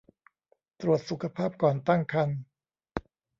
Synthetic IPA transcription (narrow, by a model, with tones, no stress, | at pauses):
t̪ɾu˨˩ət̪̚su˨˩kʰa˧pʰaː˥˩p̚kɔː˨˩nt̪a˥˩ŋkʰa˧n